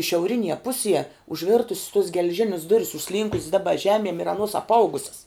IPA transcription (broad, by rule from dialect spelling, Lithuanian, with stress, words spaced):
ʃʲɛʊˈrʲɪnʲiɛ ˈpʊsʲiɛ ʊʒʲˈʋʲɪrtʊsʲs toːs ɡʲɛlʲˈʒʲɪnʲɪs ˈdʊrʲɪs ʊʃʲˈsʲlʲiːŋkʊsʲs ˈdɑːbɐ ˈʒʲæːmʲiɛm ɪr ɐˈnuɔs ɐpˈɐʊɡʊsʲɛs